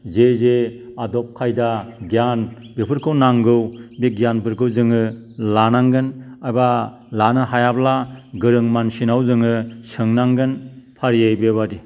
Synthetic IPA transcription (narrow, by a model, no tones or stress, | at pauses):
zezeadɔp̚kʰajdaɡjanbipʰɯɾkʰɯwnaŋɡɯwbiɡjanpʰɯɾkʰɯwzɯŋɯlanaŋɡɯnajba | lanɯhajablaɡɯɾɯŋmansinawzɯŋɯsɯŋnaŋɡɯnpʰaɾijajbebadi